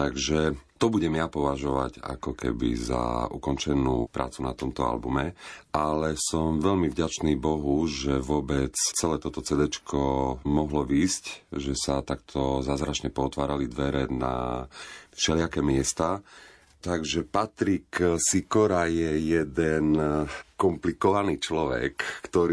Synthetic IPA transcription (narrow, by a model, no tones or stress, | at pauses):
t̪aɡʒɛt̪ɔbuɟɛmjapɔʋaʒɔʋa̰ɟa̰kɔkɛ̰bḭza̰ukɔnt͡ʃɛnṵːpɾʔa̰ːt͡sunat̪ɔmt̪ɔa̰lbumɛʔalɛsɔmʋɛlmivɟat͡ʃniːbɔɦuʒɛʋʊɔbɛt͡st͡sɛlɛːt̪ɔt̪ɔt͡sɛd̪ɛt͡ʃkʰɔmɔɦlɔʋiːscʒɛsat̪akt̪ʰɔzaːzɾat͡ʃɲɛpɔːt̪ʋaːɾalid̪ʋɛɾɛna̰ | fʃɛlɪakɛːmɪɛst̪a | t̪aɡʒɛpat̪ɾiksikɔɾajɛjɛd̪ɛnkɔmplikɔʋaniːt͡ʃlɔʋɛ̰kːt̪ɔɾi